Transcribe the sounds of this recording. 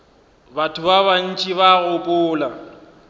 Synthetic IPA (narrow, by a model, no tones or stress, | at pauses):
batʰʊbaβan̩t͡ʃʼiβaɣʊkʼʊːla